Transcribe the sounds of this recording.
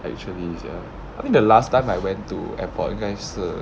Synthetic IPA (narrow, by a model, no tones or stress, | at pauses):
ɛ̰k̚t͡ʃuəlisja̰ | aɪtĩŋdəlastãɪ̃majwɛ̃ntṵɛ̰̃pɔ̰tĩŋɡaɪsə